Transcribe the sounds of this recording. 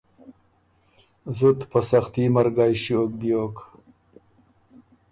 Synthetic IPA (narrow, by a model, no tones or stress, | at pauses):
zut̪pɐsaxt̪imaɾɡɑjɕiok̚bjoːk